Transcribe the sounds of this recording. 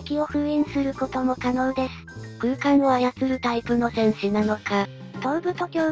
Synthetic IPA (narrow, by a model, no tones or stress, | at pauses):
kʲio̞ɸɯ̟ẽɰ̃sɨɾɯ̟ko̞t̪o̞mo̞kano̞ːd̪e̞sɨ̥kɯ̟ːkaŋβajat͡sɨɾɯ̟t̪aipɯ̟no̞sẽ̞ɰ̃ɕinano̞ka | t̪o̞̟bɯ̟t̪o̞kʲo̞ː